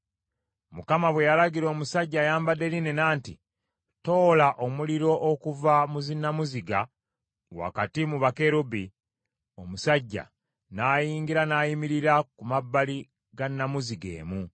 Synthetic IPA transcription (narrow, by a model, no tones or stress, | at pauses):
mukamaβwe̞jalaɡiɾo̞ːmusaɟːajaːmbade̞linenaːntḭ | to̞ːlaʔo̞muliɾo̞ʔokuvamuzinːamuziɡa | wa̰katimuβakeɾubi | o̞musaɟːa̰ | naːjiːŋɡiɾanaːjimiɾiɾakumabːali | ɡanːamuziɡe̞̰ːmu